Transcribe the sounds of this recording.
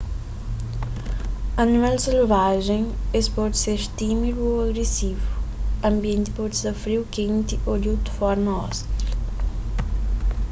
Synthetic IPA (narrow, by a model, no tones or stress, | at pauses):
ɐnimɛlseluvaʒeŋespɔt̪seɾt̪imiluoɐɣɾesivuɐmbjẽnt̪i̥pɔt̪sɐfɾiwkent̪iʔoʎut̪u̥fɔɾmɐɔ̰st̪ɾɐ